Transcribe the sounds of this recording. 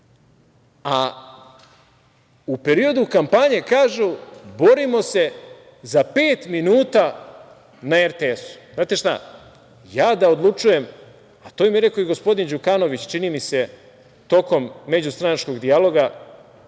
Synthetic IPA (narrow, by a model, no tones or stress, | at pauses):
a | upe̞ɾio̞d̪ukampaɲekaːʒubo̞ɾimo̞se̞ | zape̞ːt̪minuːt̪a | naeɾt̪eesu̥znaːt̪e̞ʃt̪a̰ | jaːd̪ao̞d̪lˠut͡ʃuje̞m | at̪omjiɾe̞ko̞iɡo̞spo̞d̪ind͡ʑukano̞ʋit͡ɕt͡ʃinimise̞ | t̪o̞ko̞mːe̞d͡ʑust̪ɾanat͡ʃko̞ɡd̪ialo̞ɡa